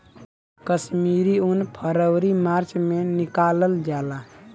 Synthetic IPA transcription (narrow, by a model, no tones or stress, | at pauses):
kəsmiɾiunpʰəɾəwɾimaɾt͡ʃmenikaləld͡ʒala